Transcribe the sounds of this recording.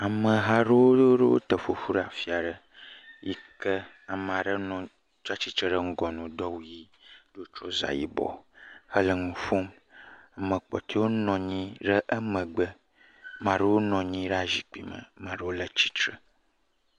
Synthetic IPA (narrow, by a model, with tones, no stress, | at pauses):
a˨mə̃˨ɦa˦ɖə˦wo˦ɖə˦wo̰˦t̪ə˨fo˨fu˦ɖa˨fi˦a˨ɖə˦ | ji˦kə˦ | a˨m˨a˨ɖə˦nɔ̃˨ | t͡ʃa˦t͡ɕi˦t̪ɾə˦ɖə˦ŋ̩˦ɡɔ˨nũ˨d̪ɔ˦wji˦ | ɖo˦t͡ʃɔ˦za̰˨jḭ˦bɔ̰˨hə˦lə˨ŋũ˨fo˦m | a˨mə̃˨k͡pɔ̰˨t̪ʰe˦wo˦nɔ̃˨ɲĩ˦ɖə˦ʔə˦mə̃˨ɡ͡bə˦ | mã˨ɖə˦wo˦nɔ̃˨ɲĩ˦ɖa˨zi˨k͡pi˨mə̰̃˨mã˨ɖə˦wo˦lə˦t͡ɕi̥˦t͡ʃ̪ɾə˨